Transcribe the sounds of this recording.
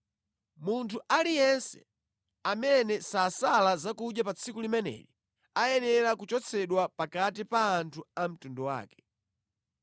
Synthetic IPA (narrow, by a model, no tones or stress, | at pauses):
muntʰuʔalijɛnsɛ̰ | amɛnɛsaːsalazakuɗjapat͡sʰikulimɛnɛ̰ɾi | ajɛnɛɾakut͡ʃɔt͡sʰɛɗwapakat̬ipaːntʰuam̩tundɔwa̰ːkɛ̥